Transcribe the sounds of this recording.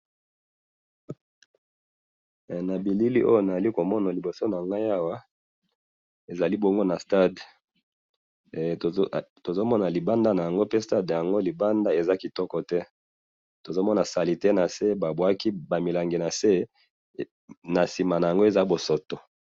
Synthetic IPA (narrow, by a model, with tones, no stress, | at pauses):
na˨bi˨li˦li˦ʔo˦jo˦na˨a˨li˦ko˨mɔ˦na˨li˨bo˨so˦na˨ŋɡa˦ja˦wa˦ | e˨za˨li˦bo˦ŋɡo˦na˨sta˦˨d | to˨zo˦mɔ˦na˨li˨ba˦nda˦na˨ja˨ŋɡo˦pe˦sta˦da˨ŋɡo˦li˨ba˦nda˦e˨za˦ki˨tɔ˦kɔ˨tɛ˦ | to˨zo˦mɔ˦na˨sa˨li˨tɛ˦na˨se˦ba˨bwa˦ki˦ba˨mi˨la˨ŋɡe˨na˨se˦ | na˨si˨ma˨na˨ja˨ŋɡo˦e˨za˦bo˨so˨to˨